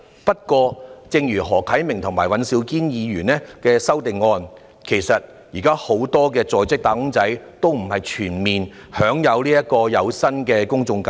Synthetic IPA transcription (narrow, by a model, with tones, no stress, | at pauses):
pɐ˥t̚kʷɔː˧t͡sɪ˧ŋjyː˨˩ɦɔː˨˩kʰɐ˨˥jmɪ˨˩ŋt̪ʰʊ˨˩ŋmaː˨˩jwɐ˨˧nsiː˧wkiː˥njiː˨˧jyː˨˩nɛː˥kɛː˧sɐ˥wt̪ɪ˨ŋːɔː˧n | kʰe˨˩jsɐ˨t̚ | jiː˨kaː˥ho˨˥wt̪ɔː˥k̬ɛː˧t͡sɔː˨jt͡sɪ˥k̚t̪aː˧˥kʊ˥ŋt͡sɐ˨˥jt̪o˥wm̩˨˩hɐ˨jt͡ʃʰyː˨˩nmiː˨nhœː˨˥ŋjɐ˨˧wliː˥jɐ˥t̚kːɔː˧jɐ˨˧wsɐ˥nkɛː˧kʊ˥ŋt͡sʊ˧ŋkɐ˧